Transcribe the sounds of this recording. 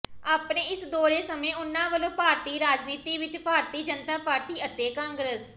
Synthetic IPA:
aːpnẽːɪsd̪oːɾeːsəmẽːʊnːãːʋəlõːpaːɾt̪iːɾaːd͡ʒniːt̪iːʋɪt͡ʃpaːɾt̪iːd͡ʒənt̪aːpaːɾt̪iːʔət̪eːkãːŋɡɾəs

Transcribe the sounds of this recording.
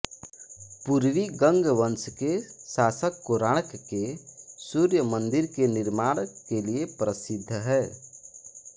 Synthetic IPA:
puɾʋiɡə̃ŋɡʋənskesaːsəkːoɾaːɽkːesuɾjəmənd̪ɪɾkenɪɾmaːɽ̃keliepɾəsɪd̪ʱːɦɛː

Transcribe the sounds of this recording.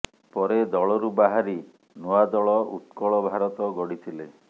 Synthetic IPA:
pɔɾed̪ɔɭɔɾubaɦaɾi | noad̪ɔɭɔṵt̪kɔɭɔbʱaɾɔt̪ɔɡɔɽit̪ʰile

